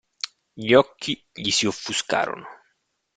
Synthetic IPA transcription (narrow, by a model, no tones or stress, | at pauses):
ʎɔkʰːiʎisiofːuska̰ːɾo̰no